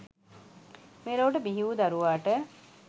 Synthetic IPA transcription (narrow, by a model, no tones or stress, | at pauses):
meːɾoːʈ̬əbiɦiʋud̪aɾuʋaːʈə